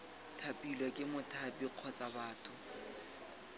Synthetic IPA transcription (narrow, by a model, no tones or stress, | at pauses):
tʰapʼilwɛkʼɪmʊtʰabiq͡χʰɔt͡sʼabaːtʰʼʊ